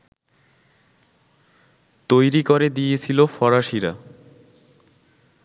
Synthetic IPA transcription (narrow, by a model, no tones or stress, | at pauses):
t̪ojɾikoɾed̪ijet͡ɕʰilofɔɾaʃiɾa